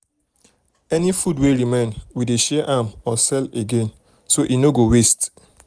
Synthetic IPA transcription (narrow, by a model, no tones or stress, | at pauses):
ɛnifudweɾimẽnwideʃɛʔamɔsɛleɡẽn | soʔinoɡowest